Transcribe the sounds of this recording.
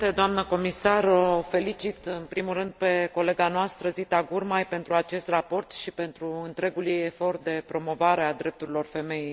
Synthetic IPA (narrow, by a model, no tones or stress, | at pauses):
t̪ed̪oamnəko̞misarofe̞lit͡ʃit̪ɨnpɾimulɾɨnd̪̚pe̞ko̞le̞ɡanoast̪ɾəzit̪aɡurmajpe̞nt̪ɾuat͡ʃe̞st̪rapo̞rt̪ʃipe̞nt̪ɾuɨnt̪ɾe̞ɡuljejefo̞rt̪̚d̪e̞pɾo̞mo̞vaɾe̞ad̪ɾe̞p̚t̪uɾilo̞rfe̞me̞jej